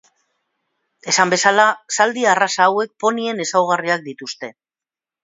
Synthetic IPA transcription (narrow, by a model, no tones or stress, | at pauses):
e̞sambe̞salasald̪iarasaːwe̞k̚po̞nie̞ne̞sawɣ̞ariak̚d̪it̪ust̪e̞